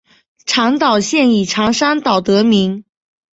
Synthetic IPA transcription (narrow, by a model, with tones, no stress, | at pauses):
ʈ͡ʂʰɑ˧˥ŋt̪ɑ˨˩ʊɕjɛ˥˩ni˨˩ʈ͡ʂʰɑ˧˥ŋʂa˥nt̪ɑ˨˩ʊt̪ɤ˧˥mi˧˥ŋ